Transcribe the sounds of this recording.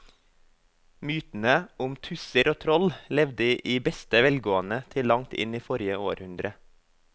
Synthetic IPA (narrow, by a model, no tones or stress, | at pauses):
myːt̪n̩əʊmt̪ʰʉsəɾoːt̪ʰɾɔllɛʋd̪əʔiːbɛst̪əʋɛlɡoːənət̪ʰɪlːɑŋt̪ʰɪ̰niːfɔɾɪəoːɾhʉnd̪ɾə